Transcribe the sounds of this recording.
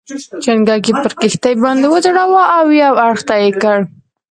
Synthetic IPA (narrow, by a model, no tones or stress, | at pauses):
t͡ʃaŋɡɑk̬epəɾkɪxt̪ajbɑnd̪ewəzɽawaʔawjawaɽxt̪ajekəɽ